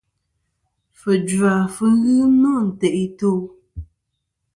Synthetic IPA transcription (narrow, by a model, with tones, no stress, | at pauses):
fə˨d͡ʒa˨fɨ˦ŋ˦ɣɨ˦nɔ˦n̩˨tɛ˨ʔi˦to˦˨